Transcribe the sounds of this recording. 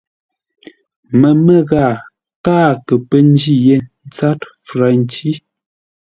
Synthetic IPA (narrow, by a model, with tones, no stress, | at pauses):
mə˨mə˦ɣaː˦˨ | kaː˦˨kə˨pə˦n˦d͡ʒi˦˨je˦n̩˦t͡sa˦tfɾa˨n˦t͡ʃi˦